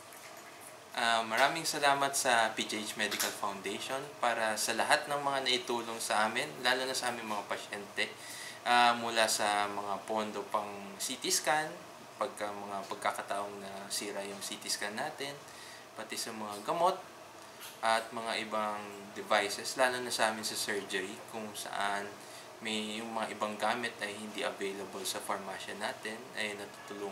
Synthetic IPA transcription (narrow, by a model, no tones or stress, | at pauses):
ʔamːɐɾaːmɪŋsɐlaːmɐt̪sɐpid͡ʒʔet͡ʃmɛd̪ɪkɐlfɐwnd̪ejʃo̞npaːɾɐsɐlɐɦat̪̚nɐŋmɐŋanɐʔɪt̪uːlo̞ŋsɐʔaːmɪnlaːlonɐsɐʔaːmɪŋmɐŋapɐʃɛnt̪ɛ | ʔamʊlasɐmɐŋapo̞nd̪opɐŋ | sit̪ɪskan | pɐɡ̚kɐmɐŋapɐɡ̚kakɐt̪ɐʔoŋnɐsiːɾɐjʊŋsiːt̪ɪskanːaːt̪ɛn | pɐt̪ɛsɐmɐŋaɡɐmo̞t̪̚ | ʔɐt̪̚mɐŋaʔɪbaŋ | d̪ɛvajsɛslaːlonɐsʔaːmɪnsɐsɛɹd͡ʒɛɾikʊŋsɐ̰ʔan | mɐjːʊŋmɐŋaʔɪbaŋɡaːmɪt̪ʔɐjhɪnd̪iʔɐvejlɐbolsɐfɐɹmaːʃɐnaːt̪ɛnɛjnɐt̪uːt̪ʊluː